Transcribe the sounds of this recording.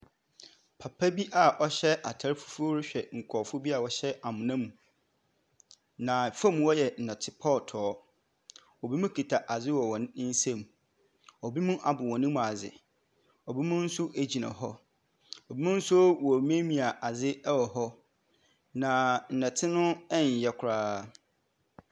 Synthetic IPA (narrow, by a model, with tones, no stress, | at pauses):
pʰa˨pʰa˦bi˦ʔa˨ʔɔ˦ɕɛ˦ʔa˨tʰa˨ɾfu̥˦fu˦o˦ɾɪ˦ɕᶣɛ˨ŋ̩˨kʰɔ˨fʊ˦bi˦a˨wɔ˦ɕɛ˦a˨mʊ̃˨nã˦mũ˨ | nã˨fã˦m˦wɔ˦jɛ˨n̩˨nɛ̃˨tʰɪ˦pʰɔ˦˨tʰɔː˨˦ | ɔ˨bi˦mũ˦kʰi˨tʰa˨ʔa˨d͡zɪ˦wɔ˨wɔ̃˨ñ˦n̩˦sɛ̃˦˨m | ɔ˨bi˦mũ˦ʔa˨bʊ˨wɔ̃˨nɪ̃˦mũ˨a˨d͡zɪ̰˨ | ɔ˨bi˦mʊ̃˦n̩˦sʊ˦ʔe˦d͡ʑi˨nã̰˨ɦɔ˦ | ɔ˨bi˦mũ˦n̩˦swɔ˨mẽ˦mĩ˨a˨ʔa˨d͡zɪ˦wɔ˨ɦɔ˦ | nã˨n̩˨nɛ̃˨tʰɪ˦nʊ̃˦ɛ˦ɲ̩˨jɛ˦kʰʊ˨ɾaː˦